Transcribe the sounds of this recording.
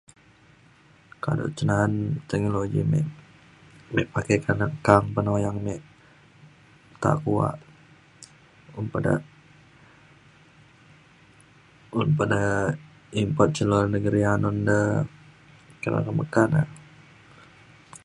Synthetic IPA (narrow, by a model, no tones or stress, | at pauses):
ka̰do̰ʔt͡ʃənant̪ɛk̚noloɡimɛ̰ | mɛʔpakɛkanakaŋpənojaŋmɛʔ | t̪a̰kua̰ʔ | umpada̰ | unpada | impɔt̪̚t͡ʃəlɔlnəɡəɾianɔndə | kəɾa̰kaməkana̰